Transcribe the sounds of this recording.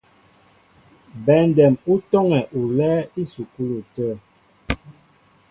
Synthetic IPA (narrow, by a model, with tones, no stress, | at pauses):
bɛ˨˦n˨dɛ˨mu˦tɔ˦ŋɛ˨ʔu˨lɛː˦i˦su˨ku˦lu˨tə˦˨